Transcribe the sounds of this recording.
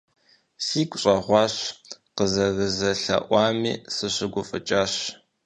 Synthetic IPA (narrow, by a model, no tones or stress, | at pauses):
siːkʷʰʼɕʼɐʁʷɑːɕqəzɐɣəzɐɬɐ̰ʔʷɑːmiːsɨɕɪɡʷʊfʼɨt͡ʃʼaːɕ